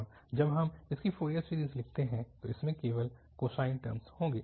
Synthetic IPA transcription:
d͡ʒɐbɦɐmɪskifoːɾiəssiːɾiːzlɪk̚ʰt̪eɦɛ̃t̪oɪsmẽkeːʋəl | koːsaːɪnʈə̰ɾmshõːɡeː

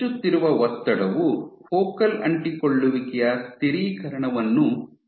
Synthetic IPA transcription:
ut̪ːiɾuʋɐʋɔt̪ːɐɽɐʋufoːkɐlɐ̰ɳʈikoɭːuʋiɡɛjɐst̪iɾiːkɐɾɐɳɐʋɐnːu

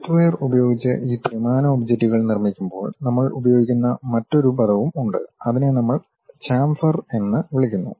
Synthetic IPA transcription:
tʋejrubɐjo̞ːɡit͡ɕːɨ̰ʔiːprɐmaːnɐobd͡ʑɐktːuɣɐɭnirmikʲːumbo̞̰ːɭnɐmːɐɭubɐjo̞ːɡikʲːunːɐmɐtːo̞ɾupɐðɐʋumuɳɖɨ̰ɐðinenɐmːɐɭ | t͡ɕaːmfɐre̞nːɨʋiɭikʲːunːṵ

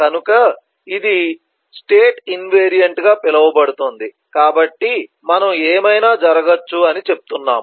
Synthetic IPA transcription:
kɐnukɐ | id̪i | sʈeːʈinʋeːɾijɐɳʈɡaːpɛlɐʋɐbɐɽut̪ond̪i | kaːbɐʈːi | mɐnɐmeːmɐjnaːd͡ʒɐɾɐɡɐt͡ʃːuɐnit͡ʃe̞p̚u̥t̪unːa̰ːm

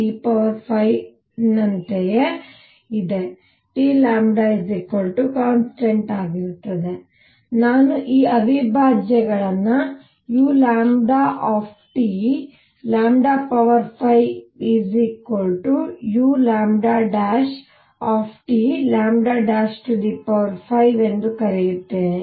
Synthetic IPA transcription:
iːpɐʋɐɾpʰɐj | nɐnt̪eje | id̪e̞ | ʈiːlaːmɖaːizikːoɭʈukaːnsʈeɳʈaːɡiɾut̪ːɐd̪e̞ | naːnuʔiːɐbʱibʱaːd͡ʒjɐɡɐɭɐnːɐ | juːlaːmɖaːʔaːpʰʈi | laːmɖaːpɐʋɐɾpʰɐjizikoɭʈujuːlaːmɖaːɖaːʃ | aːpʰʈilaːmɖaːɖaːʃʈuɖ̪ipɐʋɐɾpʰɐjʋe̞nd̪ukɐɾejut̪ːeːne

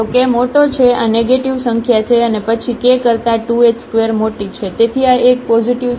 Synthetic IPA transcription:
okemoʈot͡ʃʰeaneɡeʈiʋsəŋkʰjat͡ʃʰeənepət͡ʃʰikekəɾt̪aʈuet͡ʃskʋeɾmoʈit͡ʃʰet̪et̪ʰiaʔek̚pɔd͡ʒiʈiʋ

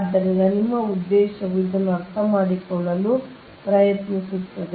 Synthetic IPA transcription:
d̪ɐɾiɡɐnimɐud̪ːɛːʃɐʋid̪ɐnuɐɾt̪ʰɐmaːɽikɔɭɐlu | pɾɐjɐt̪nisut̪ːɐd̪

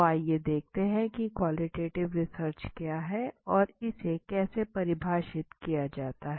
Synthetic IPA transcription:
aːjed̪eːk̚ʰt̪eɦɛ̃kikwaːlɪʈeːʈɪʋɾɪsəɾt͡ʃkjaːɦɛɔːɾɪsekɛːsepɐɾɪbʱaːʃɪt̪kijad͡ʒaːt̪aɦɛ

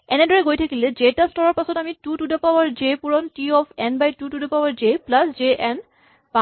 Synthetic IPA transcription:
ɛnedɔɹɛɡojtʰakilɛd͡ʒetastɔɹɔɹpasɔtamitutudapawaɹd͡ʒepuɹɔntiɔpʰɛnbajtutudɔpawaɹd͡ʒeplasd͡ʒeʔɛn | ba

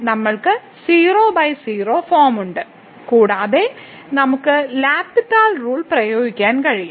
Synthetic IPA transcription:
nɐmːɐɭkɨ | siːroːbɐjsiːro̞ːfoːmuɳɖɨ | kuːɽaːðe̞ | nɐmukːɨlaːpːitːaːlruːɭprɐjoːɡikʲːaːnkɐɻijːu

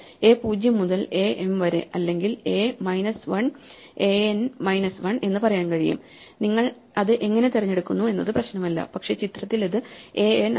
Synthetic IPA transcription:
e̞ːpuːd͡ʑjɐmːuðɐle̞ːʔemʋɐɾɨ̰ɐlːe̞ŋɡile̞ːmɐjnɐsʋɐɳ | e̞ːenmɐjnɐsʋɐɳe̞nːɨpɐrɐjaːnkɐɻijṵm | niŋːɐɭ | ɐðɨʔe̞ŋːɐne̞t̪irɐɲːe̞ɽukːunːue̞nːɐðɨprɐɕnɐmɐlːɐ̰pɐkʂe̞t͡ɕit̪rɐt̪ːilɐðɨe̞ːen

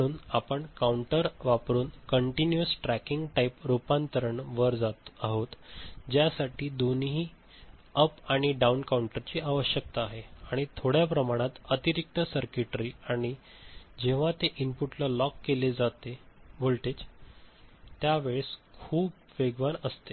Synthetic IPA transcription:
uːnapəɳkauɳʈəɾʋapɾuːnkəɳʈinjuəsʈɾækiŋɡʈaipɾupant̪əɾəɳʋəɾd͡zaaɦot̪d͡ʑjasaʈiːd̪onɦiː | əpaɽ̃iɖaunkauɳʈəɾt͡ɕiːaʋəɕjək̚t̪aːɦeaɽ̃it̪ʰoɽjapɾəmaɽ̃at̪ət̪iɾik̚t̪əsəɾkiʈɾiaɽ̃i | d͡ʑeʋ̤at̪eʔinpuʈlalɔkːeled͡zat̪ebolʈ̪et͡s | t̪jaʋeɭskʰuːb | ʋeɡʋanəst̪e

